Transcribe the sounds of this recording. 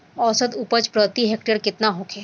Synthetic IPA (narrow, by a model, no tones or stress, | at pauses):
ɔːsəd̪upət͡ʃpɾət̪iɦek̚ʈeɾkɪt̪naɦokʰeː